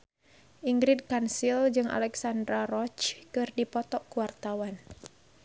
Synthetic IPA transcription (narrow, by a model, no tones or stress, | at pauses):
ʔiŋɡɾid̚kansild͡ʒɨŋʔa̰lɛksandɾaɾɔt͡ʃkɨrdipɔt̪ɔʔkuwart̪awan